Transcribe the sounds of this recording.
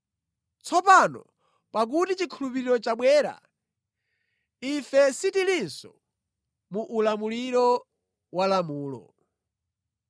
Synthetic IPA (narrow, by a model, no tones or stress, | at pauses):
t͡sʰɔpanɔ̰ | pak̬utit͡ʃikʰulupiɾiɾɔt͡ʃaɓwɛːɾa̰ | ifɛsitilinsɔ̰ | muʔːlamuliɾɔ | walamuːlɔ̰